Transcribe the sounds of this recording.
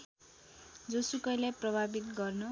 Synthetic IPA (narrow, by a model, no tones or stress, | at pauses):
d͡zosukʌjlajprʌbʱabit̪ɡʌrnʌ